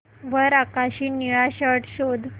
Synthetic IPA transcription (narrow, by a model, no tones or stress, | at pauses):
ʋəɾakaɕiːniɭaɕəʈɕod̪ʱ